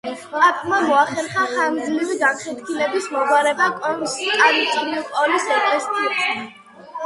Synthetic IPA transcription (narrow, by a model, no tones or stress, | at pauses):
ɾapʼmamɔaχɛɾχaχand̪zliviɡakʰɛt̪kʰilɛbismɔɡwaɾɛbakʼɔnst̪ʼanit̪sʼɔɾiɔpʼɔlisɔt̪ʼɛst̪ʰit̪ʰi